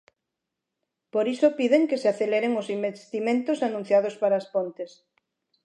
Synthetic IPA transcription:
poɾisopiðeŋkeseaθeleɾeŋosimbest̪imẽnt̪osanũn̟θjað̞ospaɾaːspont̪es

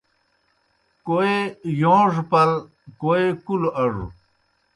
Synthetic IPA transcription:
koejõːʐpɐl | koekulɐʐṵ

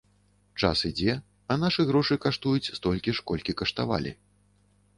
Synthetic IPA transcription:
t͡ʂa̰sid͡zʲɛ | ɐnaʂɨɣɾɔʂɨkaʂt̪ujut͡sʲst̪ɔlʲkʲiʂkɔlʲkʲikɐʂt̪a̰va̰lʲḭ

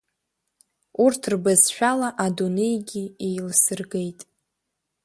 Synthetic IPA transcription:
urtʰrbazʃᶣalaʔadune̞jɡʲiejlsɨrɡe̞jtʼ

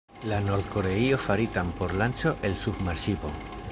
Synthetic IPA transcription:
lano̞ɾd̪ko̞ɾe̞io̞faɾit̪ampo̞ɾlant͡ʃo̞ʔe̞lsubmaɾʃipo̞̰

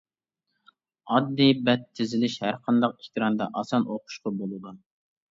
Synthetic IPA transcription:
ɑd̪ːibɛt̪ʰːɪzɪlɪʃhæɾqʰɑnd̪ɑqeht̪ɨɾɑnd̪ɑʔɑsɑnʔoqʰʊ̥ʃqɑbolˠɨd̪u

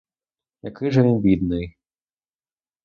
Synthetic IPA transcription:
jakɨʐɐnbʲid̪nɨj

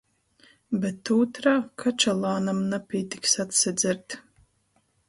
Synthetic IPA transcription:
bɛt̪ːuːt̪ɾakʰat͡ʃalˠaːnamnapʲiɛt̪iksat̪sɛd̪zʲɛɾt̪

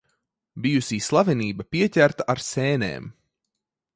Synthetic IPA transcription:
bijusiːslˠavɛniːbapiɛcʲæɾt̪aʔaɾseːnḛːm

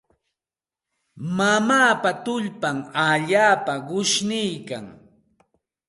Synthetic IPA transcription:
mamaːpat̪ʊʎpamaʎaːpaɢʊʃnɪjka̰ŋ

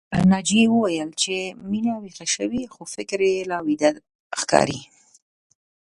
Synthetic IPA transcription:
ənɑd͡ʒewəwajəlt͡ʃeminawixaʃəwixofɪkɾelɑwid̪ad̪ | xkɑ̰ɾḭ

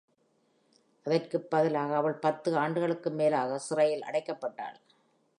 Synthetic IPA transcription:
ʔɐðɐrkɯpːɐðɪlaːɣɐːʋɐɭpɐt̪ːɯaːɳɖɯɣɐɭɯkːɯmeːlaːɣɐsɪrɐjɪlʔɐ̰ɽɐɪkːɐpːɐʈːa̰ːɭ

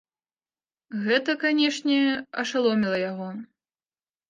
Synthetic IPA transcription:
ɣɛt̪ɐkanʲɛʂnʲɛɐʂalˠɔmʲilˠɐjaɣɔ

